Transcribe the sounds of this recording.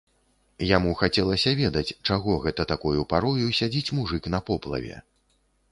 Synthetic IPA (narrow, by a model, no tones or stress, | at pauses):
jamuxat͡sʲɛlˠɐsʲɐvʲɛd̪ɐt͡sʲt͡ʂaɣɔɣɛt̪ɐt̪akujupaɾɔjusʲad͡zʲit͡sʲmuʐɨknɐpɔplˠɐ̰vʲɛ̰